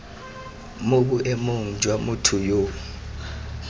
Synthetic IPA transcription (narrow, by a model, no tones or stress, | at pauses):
moɓuʔɛmoŋ̩d͡ʒʱwamutʰujo